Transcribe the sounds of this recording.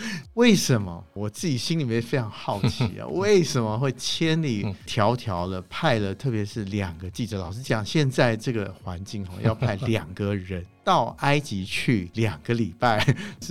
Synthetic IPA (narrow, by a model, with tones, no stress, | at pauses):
we˥˩ɪʂə˨˧˥nmə̰˧wɔ˨˩t͡sɹ̩˥˩t͡ɕi˨˩ɕi˥nli˨˩mjɛ˥˩nfe˥ɪʈ͡ʂʰɑ˧˥ŋxɑ˥˩ʊt͡ɕʰḭ˧˥ə̰˧we˥˩ɪʂə˨˧˥nmə˧xwe˥˩ɪt͡ɕʰjɛ˥nli˨˩t̪ʰjɑ˧˥ʊt̪ʰjɑ˧˥ʊlə˧pʰa˥˩ɪlə˩t̪ʰɤ˥˩pjɛ˧˥ʂɻ̩˥˩ljɑ˨˩ŋɡə˦t͡ɕi˥˩ʈ͡ʂɤ˧˦lɑ˨˩ʊʂ̬ɻ̩˥˧t͡ɕjɑ˨˩ŋɕjɛ˥˧nt͡sa˥˧ɪʈ͡ʂɤ˥˩ɡə˩xwa˧˦nt͡ɕi˥˩ŋxɑ̰˧jɑ̰˥˧ʊpʰa˥˩ɪljɑ˨˩ŋɡə˦ɻə˧˦nt̪ɑ˥˩ʊa˥ɪt͡ɕi˧˥t͡ɕʰy˥˩ljɑ˨˩ŋɡ̥ə˦li˨˩pa˥˩ɪ